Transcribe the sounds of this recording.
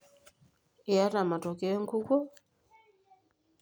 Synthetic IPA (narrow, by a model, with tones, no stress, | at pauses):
e˨a˦ta˨ma˨tɔ˨kɛ˦ɛ˦ŋ˦ku˦kɔ˦